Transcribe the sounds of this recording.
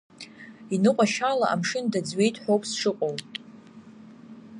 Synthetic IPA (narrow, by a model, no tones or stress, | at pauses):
inɨqʷʼaʃala̰ʔa̰mʂɨndad͡zɥe̞jtʰʼħʷᶣowpʼʰsʂɨqʼow